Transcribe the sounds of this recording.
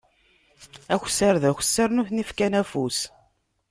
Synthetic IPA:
æç̥səɾðæçə̥sːəɾnuθnifkænæfus

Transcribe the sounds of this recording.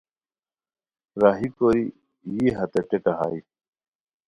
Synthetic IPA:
ɾaːɦikoːɾi | jiɦɐt̪eʈeʈɐɦa̰ːi

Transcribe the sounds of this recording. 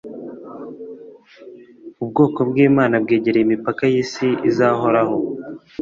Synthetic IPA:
ubɡo̞ːko̞bɡiːmaːnabɡeːɟeɾejimipakajiːsiʔizaɦo̞ɾaɦo̞

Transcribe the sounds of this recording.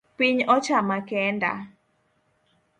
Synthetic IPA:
piɲɔt͡ʃamakɛnda̰

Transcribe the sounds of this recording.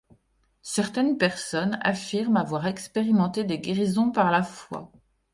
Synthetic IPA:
sɛʁt̪ɛnpɛʁsɔna̰fiʁmavwaʁɛkspeʁimɑ̃t̪ed̪eɡʲeʁizɔ̃paʁlafwa̰

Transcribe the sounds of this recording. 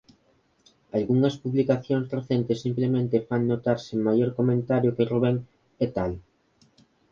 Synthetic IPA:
alɣuŋɐspuβlikaθjoŋzreθent̪ɪsimplemẽnt̪ɪfaŋnot̪aɾsɪmajoɾkomẽnt̪aɾjʊkeroβeŋ | et̪al

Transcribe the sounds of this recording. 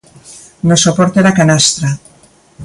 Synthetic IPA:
nosopɔɾt̪eðakanast̪ɾa

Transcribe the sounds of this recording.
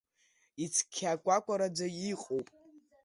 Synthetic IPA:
it͡sʰkʲʰːakʷʼakʷʼaɾad͡zaiqʼowpʼ

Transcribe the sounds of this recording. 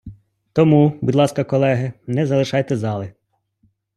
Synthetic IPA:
t̪ɔmubud̪lˠɑskɐkɔlˠɛɦɪnɛzɐlˠɪʃɑjt̪ɛzɑlˠɪ

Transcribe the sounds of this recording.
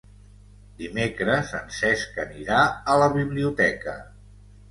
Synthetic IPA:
d̪imekɾəzənsɛskəniɾaələβiβliut̪ɛkə

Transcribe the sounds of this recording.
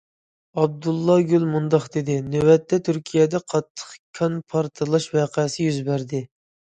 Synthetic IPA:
ɑb̚d̪ulˠːɑɡʲylmund̪ɑχd̪ed̪ɪnøwɛt̪ʰːɛt̪ʰyɾkʲʰijɛd̪ɛqʰɑt̪ʰːə̥χkʲʰɑnpʰɑɾt̪ʰɨlˠɑʃwæːqʰɛsɪjyzbæɾd̪ɪ

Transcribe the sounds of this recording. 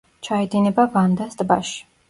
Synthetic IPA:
t͡ʃʰaɛd̪inɛbavand̪asd̪ʼba̰ʃi̥

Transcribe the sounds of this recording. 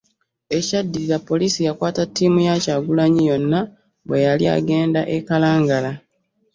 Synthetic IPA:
e̞cadːiɾiɾapːo̞liːsijakwaːtatːiːmujacaɡulaɲijo̞nːa | βwe̞jalia̰ɡe̞ːndaʔekalaːŋɡala

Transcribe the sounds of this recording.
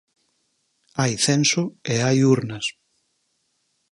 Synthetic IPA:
ajθensoeajuɾnɐs

